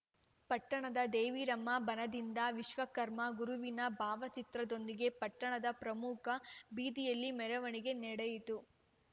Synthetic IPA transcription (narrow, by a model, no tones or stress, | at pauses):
pɐʈːɐɳɐd̪ɐd̪eːʋiːɾɐmːɐbɐnɐd̪ind̪ɐʋiʃʋɐkɐɾmɐɡuɾuʋinɐbʱaːʋɐt͡ʃit̪ɾɐd̪o̞nd̪iɡe̞pɐʈːɐɳɐd̪ɐpɾɐmukʰɐbiːd̪ijɐlːimɛɾɐʋɐɳiɡe̞nɛɽejit̪u